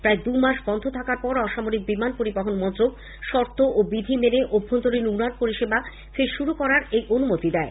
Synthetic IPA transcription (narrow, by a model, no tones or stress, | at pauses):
pɾaed̪umaʃbɔnd̪ʰʱot̪ʰakaɾpɔɾɔʃamoɾik̚bimanpoɾibaɦonmɔnt̪ɾoɡ | ʃɔɾt̪oʔobid̪ʱimeneʔobʱːont̪oɾinunanpoɾiʃeba | feɾʃuɾukɔɾaɾejʔonumot̪id̪ɛe